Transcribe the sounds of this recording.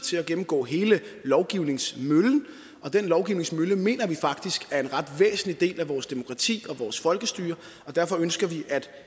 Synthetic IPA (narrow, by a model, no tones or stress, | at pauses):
t͡sʰe̝læɡ̥emm̩ɡ̥ɔ̰ːɦe̝ːləlɒʊɡ̥iʊne̝ŋsmøln̩ | ʔɒ̽d̥enlɒʊɡ̥iʊne̝ŋsmøləme̝̰ːnɐʋifɑ̈ɡ̥̚d̥isɡ̥æɐe̝nʁɑ̈d̥ʋḛːsn̩lid̥e̝̰ːlæʋɒːsd̥e̝mo̝kʰʁɑ̈t͡sʰḭːɒ̽ʋɒːsfɒ̽lɡ̥əsd̥yːɐ | ɒ̽d̥æɐfɒ̽ønsɡ̥ɐʋiʔæd̥